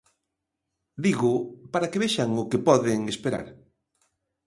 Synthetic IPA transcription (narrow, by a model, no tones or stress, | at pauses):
d̪iɣʊpaɾakeβeʃaŋʊkepɔðeŋespeɾa̰ɾ